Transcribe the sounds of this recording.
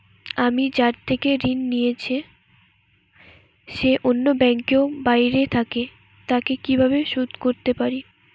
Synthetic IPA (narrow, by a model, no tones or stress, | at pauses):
amid͡ʑaɾt̪ʰekeɾinːijet͡ɕʰe | ʃeʔonːobɛŋkeobajɾet̪ʰake | t̪akekibʱaβeʃud̪ʱkoɾt̪epaɾi